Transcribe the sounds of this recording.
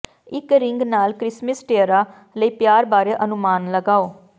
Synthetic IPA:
ɪkɾɪŋɡnaːlkɾɪsməsʈeːəɾaː | ləiːpjaːɾbaːɾeːʔənʊmaːnləɡaːoː

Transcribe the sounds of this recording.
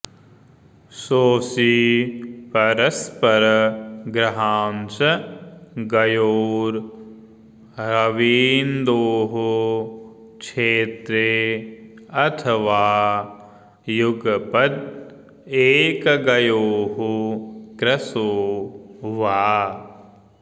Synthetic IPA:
soːsi | pɐɾɐspɐɾɐɡɾɐɦaːnsɐ | ɡɐjoːɾ | ɾɐʋiːnd̪oːɦu | t͡ʃʰeːt̪ɾe | ɐt̪ʰɐʋaː | juɡpɐd̪ | eːkɡɐjoːɦukɾɐsoː | ʋaː

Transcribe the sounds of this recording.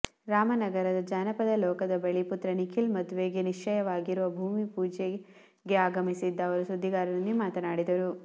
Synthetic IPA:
ɾaːmɐnɐɡɐɾɐd̪ɐd͡ʒaːnɐpɐd̪ɐlɔːkɐd̪ɐbeɭiput̪ɾɐnikʰilmɐd̪uʋe̞ːɡeniʂɐjɐʋaːɡiɾuʋɐbʱuːmipuːd͡ʒe | ɡe̞aːɡɐmisid̪ːɐːʋɐɾusud̪ʱːiɡaːɾɐnɐnːimaːt̪ɐnaːɽid̪ɐɾu

